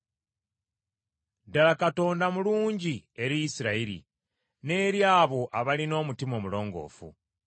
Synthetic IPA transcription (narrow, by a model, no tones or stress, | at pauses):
dalakato̞ːndamuluːɲɟie̞ɾijisiɾaiɾḭ | ne̞ːɾjaːβo̞ʔaβalino̞ːmutimo̞mulo̞ːŋɡo̞̰ːfṵ